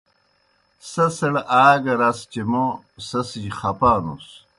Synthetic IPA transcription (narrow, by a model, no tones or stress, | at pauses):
sɐsɐɽʔaːɡɐɾast͡ɕemo | sɐsijχɐpaːnṵs